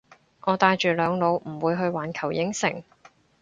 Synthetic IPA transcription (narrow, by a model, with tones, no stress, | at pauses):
ŋɔː˨˧t̪aː˧jt͡ʃyː˨˩lœː˨˧ŋlo˨˧wm̩˨˩wuː˨˧jɦɵ˧ɥwaː˨˥nkʰɐ˨˩wjɪ˨˥ŋsɪ˨˩ŋ